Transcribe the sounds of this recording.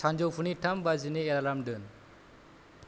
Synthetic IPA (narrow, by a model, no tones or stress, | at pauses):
and͡ʒowpʰuniʈʰambazineɛɾaɾamdɯn